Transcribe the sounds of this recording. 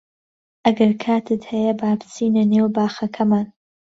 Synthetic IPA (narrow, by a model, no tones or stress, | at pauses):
ʔɐɡɐɾkʰaːt̪ɨt̪hɐjɐbaːpʰɨ̥t͡siːnɐneːwbaːxɐkʰɐmaːn